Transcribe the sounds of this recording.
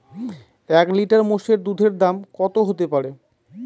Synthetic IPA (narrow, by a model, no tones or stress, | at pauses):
ɛkliʈaɾmoʃeɾd̪ud̪ʱeɾd̪amkɔt̪oɦot̪epaɾe